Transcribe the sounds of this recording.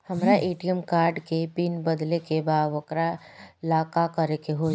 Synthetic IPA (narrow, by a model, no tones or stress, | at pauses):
həmɾaʔeːʈijəmkaːɾɖkepinbəd̪lekebaːd̪ʋəkɾaɪlaːkakəɾekeɦo